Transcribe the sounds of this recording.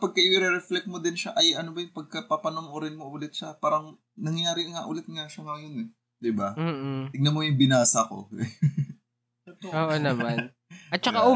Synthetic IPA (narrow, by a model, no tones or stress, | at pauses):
pɐɡ̚kɐʔɪɾɛɾɛflɛk̚mod̪ɪnʃaʔɐjʔɐnobɐjʊŋpɐɡ̚kɐpapɐnomʔoɾɪnmoʔulɪt̪̚ʃɐpaːɾɐŋ | nɐŋjɐjaːɾɪʔŋɐʔulɛt̪ŋaʃɐŋɐjonɛ | d̪ɪbɐt̪ɪɡ̚nɐmojʊŋbɪnaːsɐɐko̞̰ | oːʔonɐman | ɐt̪̚t͡ʃɐka